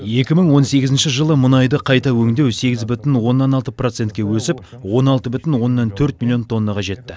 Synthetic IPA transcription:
je̞kʲɪməɴwo̞nse̞ɡʲɪzɪnʃɪʒəlˠəmʊnɑjd̪əqʰɑjt̪ɑwɵŋd̪e̞wse̞ɡʲɪzbʏt̪ɪnwo̞nːɑnɑlˠt̪əprot̪se̞nt̪̚kʲewɵsɪp | wo̞nɑlˠt̪əbʏt̪ɪnwo̞nːɑnt̪ʰɵɾt̪mʲilʲˠijo̞nt̪ʰo̞nːɑʁɑʒe̞t̪ːɪ

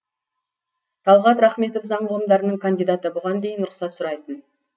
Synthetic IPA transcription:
t̪ʰɑlˠʁɑt̪ɾɑχme̞t̪ofzɑɴʁʊlˠəmd̪ɑɾənəɴkʰand̪ijd̪at̪əbʊʁɑnd̪e̞jənɾʊqsɑt̪sʊɾɑjt̪ən

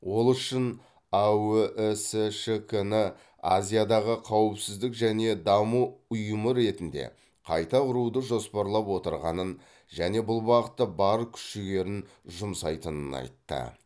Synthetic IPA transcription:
wo̞lˠʏʃɪn | awʔseʃekʰənɪ | azʲijad̪ɑʁəqʰɑwəpsɪzd̪ɪkʒæne̞d̪ɑmuʊjəməɾe̞t̪ɪnd̪e̞̰ | qʰɑjt̪ɑʊɾud̪əʒo̞spɑɾlˠɑpwo̞t̪əɾʁɑ̰nən | ʒæne̞bʊlˠbɑqət̪ːəbɑɾkʲʰʏ̥ʃɪɡʲe̞ɾɪn | ʒʊmsɑjt̪ənənɑ̰jt̪ːə̰

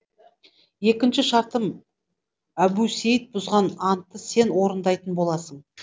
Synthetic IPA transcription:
je̞kʲɪnʃɪʃɑɾt̪əm | æbusejət̪̚bʊzʁɑnɑnt̪ːəse̞nwo̞ɾənd̪ɑjt̪ənbo̞lˠɑsəɴ

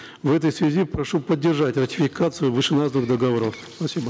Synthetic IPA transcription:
vɛt̪əjsvʲɪzʲipɾɐʂupədʲːɪrʐatʲrətʲɪfʲɪkat̪sɨjʊvɨʂɨnaznɨɣxd̪əɡɐvoɾəfspɐsʲibə

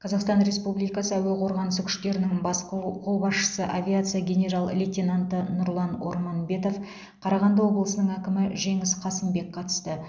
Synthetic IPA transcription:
qʰɑzɑqst̪ɑnɾe̞spublijkɑsəæwe̞qʰo̞ɾʁɑnəsəkʲʰʏ̥ʃt̪e̞ɾɪnɪŋbɑsqʰowbɑsʃə̥səʔavʲijat̪sɨjaɡʲe̞nʲe̞ɾalˠlʲet̪ʲenant̪ənʊɾlˠɑno̞̰ɾmɑnbe̞t̪o̞f | qʰɑɾɑʁɑnd̪əwo̞blˠəsənəɴækʲɪmɪʒe̞ŋɪsqʰɑsəmbe̞kqʰɑt̪ə̥st̪ə

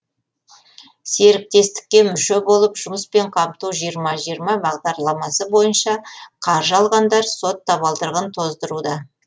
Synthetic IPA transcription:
se̞ɾɪk̚t̪e̞st̪ɪ̥k̚ʲːe̞mʏʃe̞bo̞lˠəpʒʊməspe̞ɴqʰɑmt̪uʒijəɾmɑʒijəɾmɑbɑʁd̪ɑɾlˠɑmɑsəbo̞jənʃɑqʰɑɾʒəɑlˠʁɑnd̪ɑɾso̞t̪ʰːɑβɑlˠd̪əɾʁənt̪ʰo̞zd̪əɾud̪ɑ

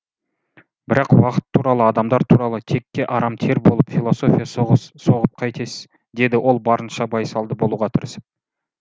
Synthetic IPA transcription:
bɪɾɑqwɑqə̥t̪ʰːuɾɑlˠəɑd̪ɑmd̪ɑɾt̪ʰuɾɑlˠət̪ʰe̞kʲːe̞ʔɑɾɑmt̪ʰe̞ɾbo̞lˠəpfʲilˠo̞so̞fʲijɑso̞ʁəp̚qʰɑjt̪ʰe̞s | d̪e̞d̪ɪwʔo̞lˠbɑɾənʃɑbɑjsɑlˠd̪əbo̞lˠuʁɑt̪ʰəɾəs

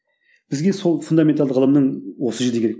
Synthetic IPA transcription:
b̥ɪzɡʲe̞solˠfund̪ament̪ʰalˠd̪əʁəlˠəmnəɴwosəʒəd̪ɪkʲeɾek̚ʲ

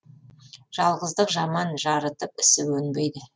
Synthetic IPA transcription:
ʒ̥ɑlˠʁəzd̪əqʒɑmɑnʒɑɾət̪əpɪsɪwɵnbejd̪ɪ

